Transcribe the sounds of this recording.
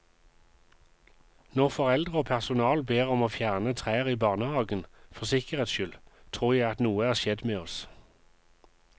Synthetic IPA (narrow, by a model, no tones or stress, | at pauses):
nɔʁfɔʁɛld̪ʁəoːpʰæʁsʊnɑːlbeːʁɔmoːfjæːʁnət̪ʰʁeːəʁiːbɑːʁnəhɑːɡənfɔsɪkəʁeːt̪sʃʏlt̪ʰʁuːʁjæɪɑt̪nuːəæːʁʃɛd̪meːɔs